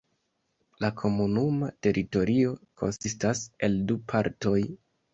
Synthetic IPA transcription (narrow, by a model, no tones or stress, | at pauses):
lakʰo̞munumate̞ɾʔito̞ɾio̞kʰo̞̰nsistase̞ldupʰaɾto̞j